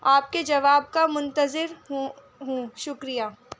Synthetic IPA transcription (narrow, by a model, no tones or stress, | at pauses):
aːp̚ked͡ʒɐʋaːb̚kamʊ̃nt̪əzɪɾɦ | ɦũʃʊkɾijaː